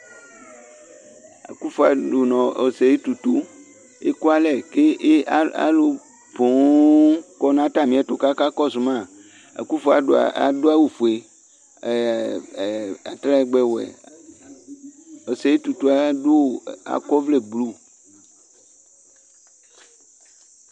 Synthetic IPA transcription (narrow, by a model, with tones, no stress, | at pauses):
a̰˨ku˦fo˨a˨do˨nɔ̃˨o˨se˨je˦t̪u˨t̪u˦ | e˦ku˦a˦lɛ˨ke˦a̰˦lo˨ | bo˨˦kɔ˦nã˦t̪a˦˨mĩ˨˦ɛ˨t̪o˨ka˦ka˦kɔ˦so˨mã˦˨ | a̰˨ku˦fo˨a̰˨ɖo̰˨a̰˨do˦a˦wo˨fo˨e˨ | a̰˨t̪ɾa˦ɛ˨ɡ͡bɛ˦wɛ̰˨ | o˨se˨je˦t̪u˨t̪o˨˦a˨˦do˦˨a̰˨kɔ˦vle˦˨ɡ͡blu˦